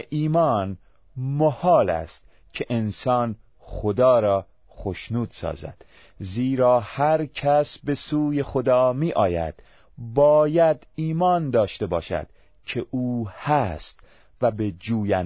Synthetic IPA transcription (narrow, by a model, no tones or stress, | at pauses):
ʔiːmɒːn | mohɒːlæ̰st̪ | kʰeʔensɒːn | χod̪ɒːɾɒː | χoʃnuːd̪̥sɒ̰ːzæ̰d̪̥ | ziːɾɒːhæɾcʰæsbe̞suːje̞xod̪ɒːmiːʔɒːjæ̰d̪̥ | bɒːjæd̪iːmɒːnd̪ɒːʃt̪e̞bɒːʃæ̰d̪̥ | kʰe̞ʔuːhæst̪ | væbed͡ʒuːjæn